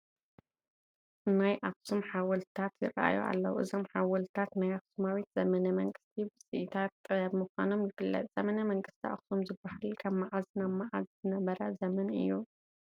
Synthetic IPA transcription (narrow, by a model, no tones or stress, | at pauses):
najʔaksumħawɔlt̪ʰat̪jɪ̰ɾɐ̰ʔa̰jṵʔa̰lːɐ̰wuʔɨzo̞mħawɐlt̪ʰat̪najaksumawit̪z̥ɐmɐnɐmɐŋɡɨst̪ʰibɨsʼɨʔit̪ʰat̪̚t̪ʼːɨjadmɨxʷa̰no̞mjɪfɨlːɐ̰t̪ʼz̥ɐmɐnɐmɐŋɡɨst̪ʰiʔa̰ksumzɨbːahalkʰɐbmaʕazinamaʕazzɨnɐβɐɾɐzɐmɐnɨ̰jːu